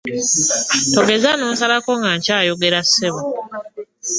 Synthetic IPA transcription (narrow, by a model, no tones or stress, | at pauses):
to̞ɡe̞zanoːnsalako̞ŋɡaɲcaːjo̞ɡe̞ɾasːeβo